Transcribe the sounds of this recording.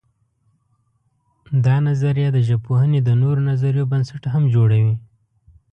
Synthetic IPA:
d̪ɑnazaɾjɑd̪əʒapoɦəned̪ənoɾonazaɾjobənsaʈɦamd͡ʒoɽawi

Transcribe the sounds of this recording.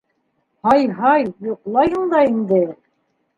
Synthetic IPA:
hɑjɦɑjjŏqlˠɑjɤɴd̪ɑind̪ɘ

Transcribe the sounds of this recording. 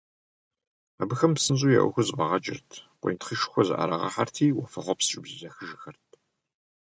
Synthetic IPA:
abɨxɐmpsɨnzʼuːjɛ̰ʔʷʊ̰xʷɨzʼbɐʁɐt͡ʃʼɪ̰rtʰqʷḛjntχəʃxʷɔzɨ̰ʔɐ̰ɾɐʁɐ̰ħartʰiːwɐfɐħʷɔpsɨt͡ʃʼɪbzɨzɐxɨʒɪxɐrt̚ʰ

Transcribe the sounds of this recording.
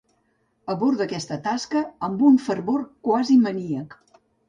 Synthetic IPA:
əβuɾd̪əkɛst̪ət̪askəəmbuɱfəɾβorkwaziməniək

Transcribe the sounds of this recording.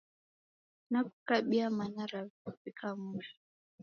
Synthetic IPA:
nakukaɓiamanaɾaufikamuɾi

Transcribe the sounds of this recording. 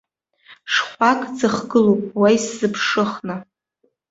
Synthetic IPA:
ʂχʷakʼd͡zɨχɡɨlowpʼwajsz̥ɨpʰʂɨχna

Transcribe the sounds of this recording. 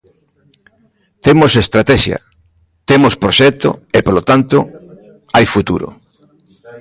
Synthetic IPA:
t̪emosest̪ɾat̪ɛʃjɐ̰ | t̪emospɾoʃɛk̚t̪o̰epolot̪ant̪ʊ | ajfut̪uɾo̰

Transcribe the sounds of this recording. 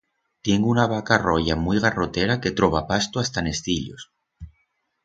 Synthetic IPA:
t̪je̞ŋɡunaβ̞akarojamujɣarot̪eɾake̞t̪ɾoβapast̪oast̪ane̞st̪iʎo̰s

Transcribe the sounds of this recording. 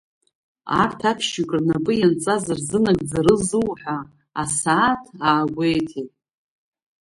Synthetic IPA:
a̰rtʰapʰʃikʼrnapʼɨjant͡sʼazɨrzɨnaɡʼd͡zaɾɨzɨwħʷᶣa | asaːtʰaːɡʷe̞jtʰitʼ

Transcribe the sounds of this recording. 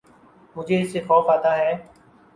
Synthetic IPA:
mʊd͡ʒʱeːɪseːxɔːfaːt̪aːɦɛː

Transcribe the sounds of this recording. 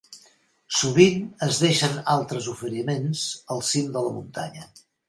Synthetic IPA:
suβinəzðeʃənalˠt̪ɾəzufəɾimenz̥əlˠsimd̪ələmṵnt̪a̰ɲə

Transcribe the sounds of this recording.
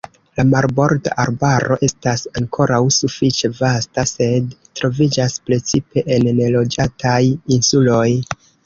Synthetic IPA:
lamaɾbo̞ɾta̰ʔaɾbaɾʔo̞ʔe̞stasaŋkʰo̞ɾawsufit͡ʃe̞vastase̞dtɾo̞vid͡ʒaspɾe̞t͡sipe̞ʔenːelo̞d͡ʒatʰajinsulo̞j

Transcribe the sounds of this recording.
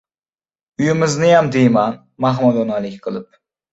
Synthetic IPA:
yjimɪznɪjɑmd̪ejmɑn | mɑɦmɨd̪onɑlˠɪkʲqʰəlˠɨp̚

